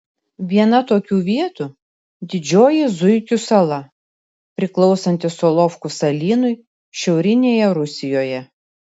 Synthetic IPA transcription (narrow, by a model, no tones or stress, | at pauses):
ʋʲiɛnɐt̪oːkʲuːʋʲiɛt̪u | d̪ʲɪd͡ʒʲoːjɪzʊɪkʲʊsɐlˠɐ | pʲɾʲɪklˠɒʊsɐnʲt̪ʲɪsɔlˠɔfkʊsɐlʲiːnʊɪ | ʃʲɛʊɾʲɪnʲeːjɛɾʊsʲɪjoːjɛ